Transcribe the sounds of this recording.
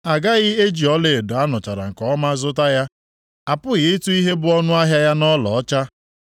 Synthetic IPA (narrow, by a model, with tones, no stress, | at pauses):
a˨ɡa˦ɣɪ˦e˦d͡ʒi˨ɔ˦le˨e˨dʊ˨a˦nʊ˨t͡ʃa˨ɾa̰˨ŋ̩˨kɔ˦ma˦zʊ˦ta˦ja˦ | a˨pʊ˦ɣɪ˦e˦tu˦i˦ɦe˦bʊ˦ɔ˦nʊ˦a˦ɦja˦ja˦nɔ˦lɔ̰˨ɔ˦t͡ʃa˦